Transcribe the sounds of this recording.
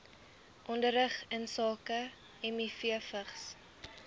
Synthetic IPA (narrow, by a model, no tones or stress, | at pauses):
ʔɔndəɾəχənsɑːkə | ɛmifiəfəχs